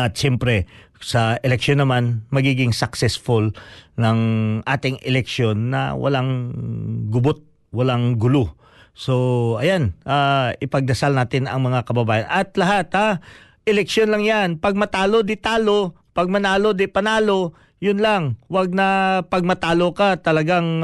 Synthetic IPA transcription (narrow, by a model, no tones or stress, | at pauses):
ʔɐt̪̚ʃɛmpɾɛ | sɐʔɛlɛk̚ʃonːɐmanmɐɡiːɡɪŋsɐksɛsfolnɐŋʔa̰ːt̪ɪŋʔɛ̰lɛk̚ʃjo̞nːɐ̰wɐ̰laŋ | ɡʊbot̪̚ | wɐlaŋɡʊlo | so̞ʔɐjanʔaːɪpɐɡ̚d̪ɐsalnaːt̪ɪnɐ̰ŋmɐŋakɐbɐbaːjɐnʔɐt̪̚lɐɦat̪a | ʔɛlɛkʃjonlɐŋjanpɐɡ̚mɐt̪aːlo̞d̪ɪt̪aːlo̞ | pɐɡ̚mɐnaːlod̪ɪpɐnaːlo̞ | jʊnlaŋwaɡ̚nɐpɐɡ̚mɐt̪aːlo̞kat̪ɐlɐɡaŋ